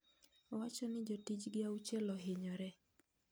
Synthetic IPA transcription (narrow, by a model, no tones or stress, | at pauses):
ɔwat͡ʃɔnɪd͡ʒɔtid͡ʒɡɪaut͡ʃɛlɔɦɪɲɔɾɛ